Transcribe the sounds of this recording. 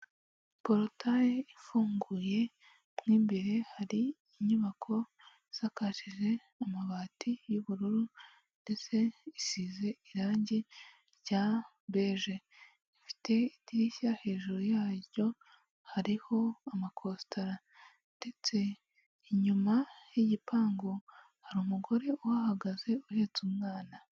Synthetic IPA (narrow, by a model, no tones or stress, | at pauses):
po̞ɾotajeifuːŋɡuːje̞ | mŋiːmbeɾe̞haɾiː | ɲuβakʰo̞ | z̥akaʃiʒe̞ | amaβaːtijuβuɾuɾu | nde̞t͡se̞isiːze̞iɾaːɲɟi | ɾɟa | be̞ːʒe̞ | ifi̥tʰe̞itiɾiçahe̞ːʒuɾojaːɾɟo̞ | haɾiho̞amakʰo̞ːstaɾa | nde̞t͡se̞ | iɲumajiɟipʰaːŋɡo̞ | haɾuːmuɡo̞ɾe̞owahaɡaze̞uhe̞ːt͡sumŋaːna